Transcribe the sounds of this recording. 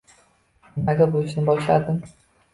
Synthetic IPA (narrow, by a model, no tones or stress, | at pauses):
maɡʲabolʊʃɪnɪbɒʃlad̪ɪm